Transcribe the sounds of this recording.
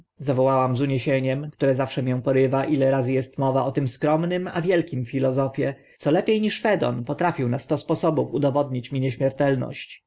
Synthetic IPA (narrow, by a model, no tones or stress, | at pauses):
zavɔwawamzuɲeɕeɲɛmkt̪uɾɛzafʂɛmʲjɛ̃w̃pɔɾɘvaʔilɛɾazɘjɛst̪mɔvaʔɔt̪ɘmskɾɔmnɘmavʲjɛlkʲimfʲilɔzɔfʲjɛ | t̪sɔlɛpʲjejɲiʂfɛd̪ɔ̰npɔt̪ɾafʲiwnast̪ɔspɔsɔbufud̪ɔvɔd̪ɲit͡ɕmʲiɲeɕmʲɛɾt̪ɛlnɔ̰ɕt͡ɕ